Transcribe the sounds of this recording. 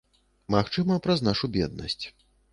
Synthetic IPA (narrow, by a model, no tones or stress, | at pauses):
maxt͡ʂɨmɐpɾɐznaʂubʲɛ̰d̪̚nɐ̰sʲt͡sʲ